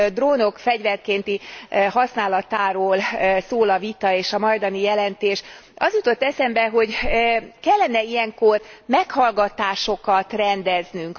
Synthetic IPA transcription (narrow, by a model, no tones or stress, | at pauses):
d̪roːno̞kfɛɟvɛrkeːnt̪ihɒsnaːlɒt̪aːɾoːlsoːlɒvit̪ɒeːʃɒmɒjd̪ɒnijɛlɛnt̪eːʃɒzjut̪o̞t̪ːɛsɛmbɛɦo̞ɟkɛlːɛnɛijɛŋko̞rmɛkhɒlɡɒt̪aːʃo̞kɒt̪rɛnd̪ɛznyŋk